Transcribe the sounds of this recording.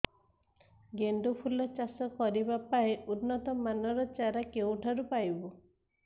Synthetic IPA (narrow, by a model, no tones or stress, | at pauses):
ɡeɳɖupʰulɔt͡ʃasɔkɔɾibapaeʔudnɔt̪ɔmanɔɾɔt͡ʃaɾakewʈʰaɾupajbu